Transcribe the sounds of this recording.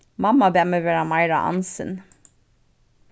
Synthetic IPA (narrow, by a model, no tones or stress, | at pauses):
mɑmːɑbɛɛməʋeːɾɑmɑɪɾa̰ʔɑ̰nsə̰n